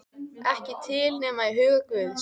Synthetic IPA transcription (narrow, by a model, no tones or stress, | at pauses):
ɛhcɪt̪ʰɪːlnɛːmaiɦʏːɣakvʏːðɪ